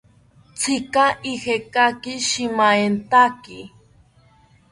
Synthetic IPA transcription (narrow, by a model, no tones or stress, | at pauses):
t͡sʰɪkaʔihekakɪʃɪmaent̪aki